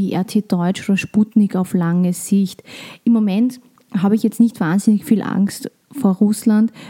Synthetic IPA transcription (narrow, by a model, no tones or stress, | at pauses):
iʔɛɐtʰeːd̥ɔʏt͡ʃoːdɐʃputnɪkaʊflaŋəz̥ɪçtɪmːomɛnt | haːbəɪçjɛt͡stnɪçtv̥aːnzɪnɪçfiːlʔa̰ŋkst | foːɐʁʊslant